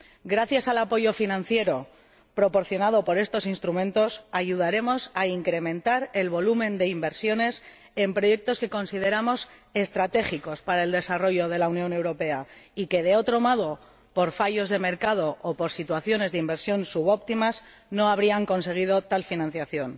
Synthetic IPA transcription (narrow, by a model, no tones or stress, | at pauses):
ɡɾaθjasalapo̞ʝo̞finãnθje̞ɾo̞ | pɾo̞po̞ɾθjo̞nað̞o̞po̞ɾe̞st̪o̞sinst̪ɾumẽ̞nt̪o̞saʝuð̞aɾe̞mo̞saiŋkɾe̞mẽ̞nt̪aɾe̞lβo̞lumẽ̞nd̪e̞imbe̞ɾsjo̞ne̞s | e̞mpɾo̞je̞k̚t̪o̞ske̞ko̞nsiðe̞ɾamo̞se̞st̪ɾat̪e̞χiko̞spaɾae̞ld̪e̞saro̞ʝo̞ð̞e̞launjone̞wɾo̞pe̞aike̞ð̞e̞o̞t̪ɾo̞mo̞ð̞o̞ | po̞ɾfaʝo̞zðe̞me̞ɾkað̞o̞ʔopo̞ɾsit̪waθjo̞ne̞zðeimbe̞ɾsjo̞nsuβ̞o̞pt̪imas | no̞aβ̞ɾiaŋko̞ns̬e̞ɣ̞ið̞o̞t̪alfinãn̟θjaθjo̞n